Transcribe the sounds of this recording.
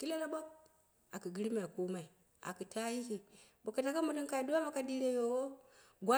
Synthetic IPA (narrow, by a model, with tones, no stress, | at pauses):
ki˦le˦la˦bo˦k̚ | a˨ki˨ɡi˦ɾi˦ma˨i˨ku˦ma˨i˨ | a̰˨ki˨ta˦ji˦ki˨bu˨ka˨ta˦ka˦mu˨li˦ŋka˨i˨du˦a˦ma˦ka˨di˦ɾe˦jo˨wo˦ɡʷa˦